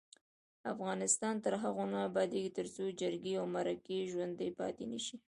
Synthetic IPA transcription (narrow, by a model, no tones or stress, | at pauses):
afɣɑnɪst̪ɑnt̪əɾɦaɣonabɑd̪eɡit̪əɾt͡sod͡ʒəɾɡeawmaɾakeʒwand̪əjpɑ̰t̪enəʃi